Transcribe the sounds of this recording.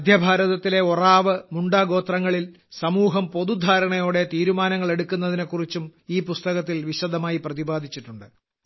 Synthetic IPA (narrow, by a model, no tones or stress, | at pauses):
ɐd̪ʱjɐbʱaːɾɐðɐt̪ːile̞oraːʋɨmuɳɖaːɡo̞ːt̪rɐŋːɐɭil | sɐmuːɦɐmpo̞ðud̪ʱaːɾɐɳɐjo̞ːɽe̞t̪iːɾumaːnɐŋːɐɭe̞ɽukʲːunːɐðinekːurit͡ɕːumiːpust̪ɐɣɐt̪̬ːilʋiɕɐd̪ʱɐmaːjiprɐðibaːd̪ʱit͡ɕːiʈːuɳɖɨ